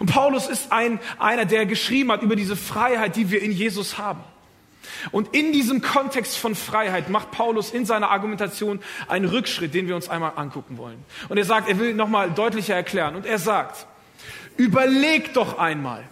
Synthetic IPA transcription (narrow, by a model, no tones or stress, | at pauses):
ʔʊntpʰaʊlʊsɪstʔaɪnʔa̰ɪnɐdeːɐɡəʃʁ̥iːbm̩hatʔyːbɐdiːzəfʁ̥aɪhaɪt̚d̥iːviːɐɪnjeːzʊshaːbm̩ | ʔʊntɪndiːzəmkʰɔntʰɛkstfɔnfʁ̥aɪhaɪtmaχt̚pʰaʊlʊsɪnzaɪnɐʔaɐɡumɛntat͡sjoːnʔa̰ɪnənʁʏkʃʁ̥ɪt̚d̥eːnviːɐʊnsʔaɪnmaːlʔa̰nkʰʊkŋ̩vɔ̰lənʔʊnteɐzaːk̚teːɐvɪlnɔχmaːldɔʏtlɪçɐɛɐkʰl̥ɛːʁənʊnteːɐzaːkt | ʔyːbɐleːkd̥ɔχʔaɪnma̰ːl